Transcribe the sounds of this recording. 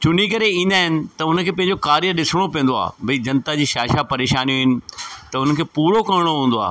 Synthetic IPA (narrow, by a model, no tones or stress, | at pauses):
t͡ɕʊn̤ikɐɾeĩːnd̪aːɦɪnɪ̆t̪ɐʊnə̆kʰeːpɐ̃ɦɪ̃ɲd͡ʑokaːɾijəɗɪsɪɽ̃opɛ̃ːnd̪oa̰ːbɐid͡ʑɐ̃nt̪ad͡ʑiːʃaːʃapɐɾeːʃaːnijũɦɪnɪ̆t̪ɐʊnəkʰeːpuːɽokɐɾɪɽ̃oɦũːn̆d̪oa̰ː